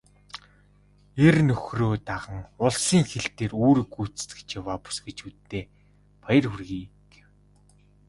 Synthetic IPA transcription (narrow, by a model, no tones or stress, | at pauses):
ernɵxroːt̪aʁə̆ŋʊɮsiːŋxeɬt̪eːruːɾĭkut͡st̪ɡɘ̥̆t͡ɕjawaːpʊ̥sɡĕt͡ɕut̪ːeː | pajə̆rxurɣiːkw